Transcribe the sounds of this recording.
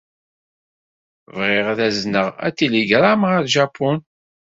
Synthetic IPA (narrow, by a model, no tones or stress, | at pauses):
vʁɪʁðæznəʁæ̰t͡sːiliɡɾˤamʁaðʒapʰːʊn